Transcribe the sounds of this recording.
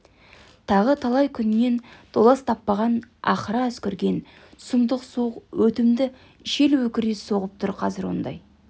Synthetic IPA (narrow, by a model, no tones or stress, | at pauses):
t̪ʰɑʁət̪ʰɑlˠɑjkʲʰʏnɪne̞nd̪ʰo̞lˠɑst̪ʰɑpːɑʁɑnɑ̰qəɾɑɵskʲɪɾɡʲe̞n | t̪ʰʊ̥səmd̪əqsuqwɵt̪ɪmd̪ɪ | ʃe̞lwɵkʲɪɾeso̞ʁəp̚t̪ʰʊɾqʰɑzɪɾwo̞nd̪ɑ̰j